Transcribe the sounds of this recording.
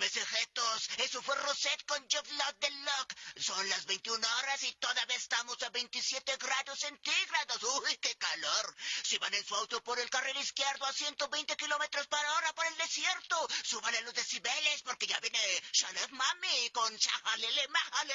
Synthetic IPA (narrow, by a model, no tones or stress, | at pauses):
besexet̪osesofweroset̪̚kond͡ʒoflot̪̚d̪elːoksonlazbejnt̪iunaoɾasit̪oðaβesst̪amosaβe̞jnt̪isjet̪eɡɾaðosːent̪iɣɾaðosujkekaloɾsiβanensuawt̪opoɾelkariliskjeɾðoasjent̪oβejnt̪ekilo̞met̪ɾospaɾaoɾapoɾeld̪esjeɾt̪osuβanalozðesiβelespoɾke̞ʝabjeneʃalefmamikonʃa̰halelemahale